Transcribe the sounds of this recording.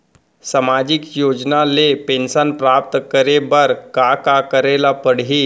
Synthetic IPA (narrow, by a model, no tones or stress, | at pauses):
samad͡ʑikjod͡ʒnalepensənpɾap̚t̪kəɾebəɾkakakəɾelapəɽɦi